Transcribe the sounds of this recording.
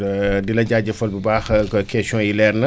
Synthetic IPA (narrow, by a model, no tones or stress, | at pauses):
dilɐɟaːɟɐfɔlbibaːxkɛsɔ̃ːjilɛɾnə